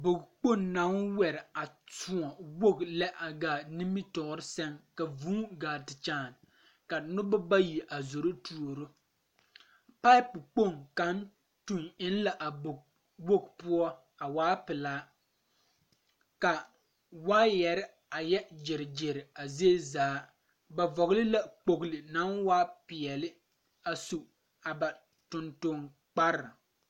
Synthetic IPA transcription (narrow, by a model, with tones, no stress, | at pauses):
bo˨kk͡po˦˨nna˨˦ŋwɛ˨ɾɪ˨a˨tu˨ɔ˨wo˦˨ɡlɛ˦ʔa˨ɡaː˨ni˦mi˦tɔ˨˦ɾɪ˦sɛ˦ŋka˨vuː˦ɡaː˨tɪ˨t͡ʃaː˦˨n˨ | ka˨nʊ˦bʊ˦ba˦ji˨ʔa˨zo˨ɾo˦tʰu˨o˨ɾo˦ | pa˦ɪ˦pk͡po˦˨ŋka˨˦n | tu˨ŋɪ˦nla˨ʔa˨bo˨ɡ̚ | wo˦ɡpʊ˦ɔ˦ | a˨waː˦pɪ˨laː˦ | ka˨ | waː˦jɛ˨ɾɪ˦ | a˨jɛ˦d͡ʒɪ˨ɾɪ˨d͡ʒɪ˨ɾɪ˨a˨ze˦zaː˨˦ | ba˨vɔ˨ɣlɪ˦la˨k͡po˨ɡlɪ˨na˦nwaː˦pɪ˨ɛ˨lɪ˦ | a˨su˨ | a˨ba˨ | tʊ˨ntʊ˦ŋ | k͡pa˦ɾɪ˨